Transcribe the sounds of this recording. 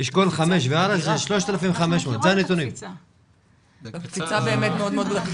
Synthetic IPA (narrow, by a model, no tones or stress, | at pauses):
iʃkolχameʃveaɾazeʃloʃt̪alafimvexameʃmot̪zeanet̪unim | kfit͡sabeemet̪meod̪meod̪ɡla